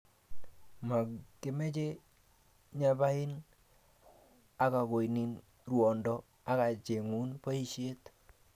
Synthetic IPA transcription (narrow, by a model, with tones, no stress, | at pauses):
ma˨ke˨mɛ˦t͡ʃe˦ | ɲa˨ba˦ɪ˦n | a˨ka˨ko˨inɪ˨n | rwɔ˨ndɔ˦ | a˦ka˨t͡ʃe˨ŋu˦npa˦i˦ʃe˦t